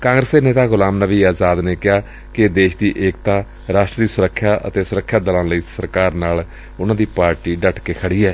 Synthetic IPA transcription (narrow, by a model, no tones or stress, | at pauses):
kãːŋɡɾəsd̪eːneːt̪aːɡʊlaːmnəʋiːaːzaːd̪neːkɪjaː | kɪd̪eːʃd̪iːʔeːk̚t̪aː | ɾaːʃʈɾd̪iːsʊɾəkʰːjaːʔə̰t̪eːsʊɾəkʰːjaːd̪əlãːləiːsəɾkaːɾnaːl | ʊnãːd̪iːpaːɾʈiːɖəʈkeːkʰəɽiːɛː